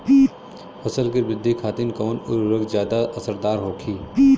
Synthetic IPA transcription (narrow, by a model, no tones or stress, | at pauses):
fʰɐsəlkebɪd̪ʱːikʰaːt̪ɪnkɔːnʊ̰ɾɾəɡzjaːd̪aʔɐsəɾd̪aːɾɦoːkʰiː